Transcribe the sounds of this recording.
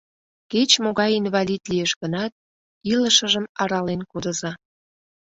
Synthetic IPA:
ket͡ɕmoɣɑjinβɑlʲit̪lijeʃɣənɑt̪̚ | iləʃəʒəmɑɾɑlenkod̪əzɑ

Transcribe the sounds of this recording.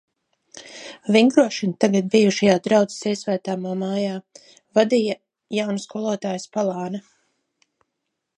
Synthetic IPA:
viŋɡɾuɔʃint̪aɡad̪̚bijuʃajaːd̪ɾawd̪zi̥siɛsvæːt̪aːmaːmaːjaː | vad̪ija | jawnskulˠuɔt̪aːjspalˠɑːna

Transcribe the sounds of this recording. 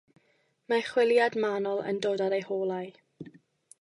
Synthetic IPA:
maχwɪlˠjadmanɔlˠə̰ndoːdadejhoːlˠaj

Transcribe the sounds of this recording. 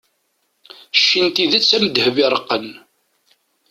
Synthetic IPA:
ʃːint̪iðæt͡sːæməd̪hvɪɾˤəqːən

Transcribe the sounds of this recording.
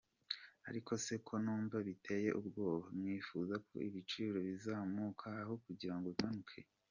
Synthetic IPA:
a̰ɾikʰo̞se̞kʰo̞nuːɱvaβitʰe̞je̞̰ʔubɡo̞ːβamŋiːfuːzakʰo̞̰iβit͡ʃiːɾo̞βizaːmukʰaːho̞kuɟiɾaŋɡotanukʰe̞̰

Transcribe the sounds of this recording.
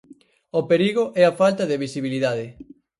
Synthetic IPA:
opeɾiɣoʔɛafalt̪ɐðeβisiβiliðaðɪ

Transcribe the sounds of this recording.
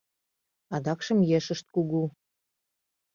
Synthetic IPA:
ɑd̪ɑkʃə̆mjeʃəʃt̪̚kuɣu

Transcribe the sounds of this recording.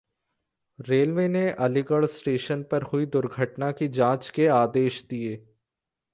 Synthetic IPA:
ɾeːlʋeːneʔɐlɪɡəɭsʈeːʃənpɐɾhʊid̪ʊɾɡʱəʈnakid͡ʒãːt͡ʃkeaːd̪eːʃd̪ieː

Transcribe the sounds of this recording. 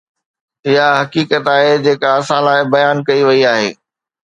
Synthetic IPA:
ɪɦaɦɐkiːkət̪aːɦed͡ʑeːkaɐsãlaːɪbɐjaːnkɐiʋɐiaːɦḛː

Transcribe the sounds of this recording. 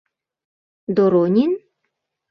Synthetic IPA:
d̪oɾonʲin

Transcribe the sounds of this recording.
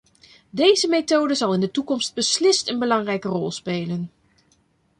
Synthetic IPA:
dejzəmetowdəzɑlˠɪndətukɔmst̚bəslɪstənbəlɑŋrɛjkərɔlˠspeːlən

